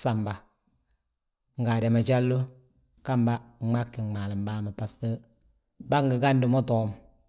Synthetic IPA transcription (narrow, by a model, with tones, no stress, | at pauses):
sa˨mba˨ | ŋ̩˨ɡa˨dɛ˨ma˨t͡ʃa˦lːo˦ | ka˦mba˦ma˦kːɪ˨ma˨lɪ˨m˨baː˦ma˨pa˨stə˦ | ba˦ŋɡɪ˨ɡa˦ndɪ˨mɔ˦tɔː˨˦m